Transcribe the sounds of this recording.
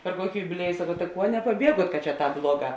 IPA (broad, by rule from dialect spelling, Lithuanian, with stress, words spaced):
pʲɛr ˈkuɔkʲɪ jʊbʲɪˈlʲiɛjʊ sɐˈkɐʊ tɐ ˈkuɔ nʲɛpɐˈbʲiɛɡuɔt kɐt t͡ʃʲɛ ˈtɑːp ˈblˠuɔˌɡɑː